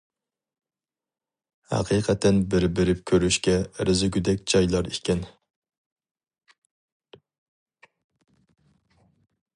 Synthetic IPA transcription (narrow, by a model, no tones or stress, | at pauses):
hæ̰qʰiːqʰɛt̪ʰːɛnbɪɾbɪɾɪp̚kʲʰøɾyʃkʲɛɾɪzɪɡʲyd̪ɛkʲd͡ʒɑjlˠɑɾikʲɛn